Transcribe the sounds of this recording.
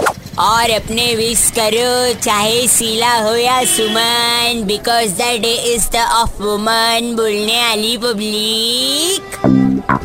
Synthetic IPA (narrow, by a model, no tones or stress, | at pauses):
ɔːɾɐpneʋiskəɾot͡ʃaːɦesiːlaɦojasʊmənbɪkɔːzd̪əɖeʔɪzd̪əʔɔfʋʊmənboːlnealipəbliːk